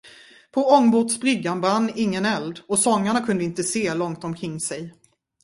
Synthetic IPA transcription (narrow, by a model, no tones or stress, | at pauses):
pʰɔɔŋːbʊʈsbɾʏɡːanvanːɪŋːənɛld̪ɔsɔŋːaɳakʰɵnd̪əɪnt̪əseːlɔŋt̪ɔmkʰɾɪŋːsɛj